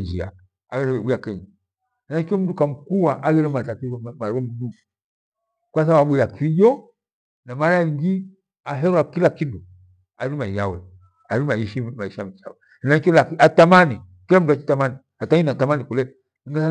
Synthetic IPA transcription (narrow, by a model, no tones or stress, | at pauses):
ɲd͡ʒia̰ | aɡɛɾɛwɛɓujakɛɲa | hɛnakiɔm̩dukam̩kuwaʔaɡɛɾɛmatatimaɾɛm̩du | kwas̬aɓaɓujakʰijɔ | namaɾajiŋɡi | aɦɛɾwakilakindu | aɾimaiawɛ̰ | aɾimaiʃimaiʃamit͡ʃa̰wɛ | hɛnakiɔlakiatamani | kilam̩duat͡ʃi̥tamani | ataɲinatamanikulɛ | ŋɡasa